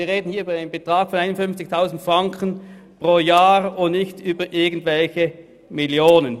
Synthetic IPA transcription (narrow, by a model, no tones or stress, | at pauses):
iːɐʁeːdn̩hiːɐyːbɐaɪnənbətʁ̥aːɡ̥fɔnaɪnonfʏnft͡sɪçtʰaʊzn̩tfʁaŋkʰən̩ | pʁoːjaːʁʊnnɪçtyːbɐʔɪɐɡn̩tv̥ɛlçə | miljoːnən